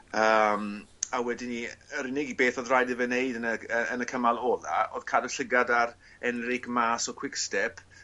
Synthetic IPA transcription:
əːmawɛdiniəɾɪnɪɡibeːθɔðrajdəvəneɨdənəəənəkʰəmalˠɔla̰oːð̥kʰaːdəɬəɡadaɾ | ɛnrɪkmaːsɔkʰw̥ɪkstɛpʰ

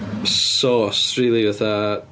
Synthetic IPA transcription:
sɔːsriːlˠivaθa

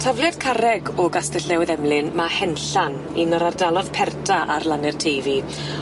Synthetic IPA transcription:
tʰavlˠjad̥kʰaɾɛɡɔɡastɛɬɛwðɛmlˠɪnmahɛnɬan | inɔɾardalˠɔðpʰɛrdʰaʔarlˠanɪr̥tʰejvi

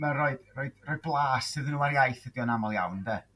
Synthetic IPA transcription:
mɛroɨd̥roɨd̥rɔjd̚blˠaːsɨðənuːaɾjajθədiɔnamɔlˠjawndɛ

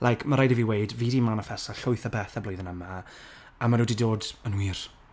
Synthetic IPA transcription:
lʔajkʰmaɾajdiviwejdviːdimanəfɛsaɬʊɨθabɛθabloɨðənəma | amanudiːdoːdənwiːr

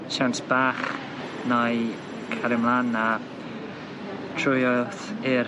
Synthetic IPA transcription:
ʃawnsb̥aːχ | naj | kʰaɾɪmlˠana | tʰrʊjɔθɪ

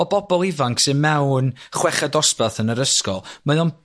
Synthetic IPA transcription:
ɔbɔbɔlˠɪvaŋksɨnmɛwnχwɛχadɔspaθənəɾəskɔ̰lˠmaðɔn

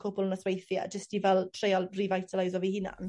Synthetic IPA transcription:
kʰʊbʊlˠənəθwejθja̰d͡ʒəstivɛlˠtʰrejalˠrivajtʰəlajzɔvihɪna̰n

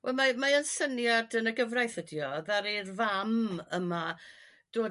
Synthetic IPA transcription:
wʔɛlˠmamaənsənjadənəɡəvrajθədjɔðaɾirvaməma | d̥oː

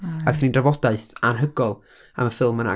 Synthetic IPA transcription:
aɡθinindravɔdaɨθanɦəɡɔlˠ | a̰məfɪlˠməna̰

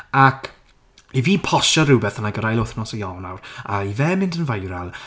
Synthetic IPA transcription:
akʰ | iviːpʰɔʃaɾʊbɛθanaɡəɾajlˠɔθnɔsɔjɔwnawraivɛːmɪndənvajɾalˠ

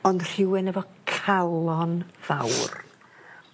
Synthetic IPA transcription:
ɔndr̥ɪwɪnəvɔkʰalˠɔnv̥a̰wr

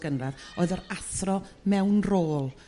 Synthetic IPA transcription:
ɡənraðoːðɔɾaθrɔmɛwnroːlˠ

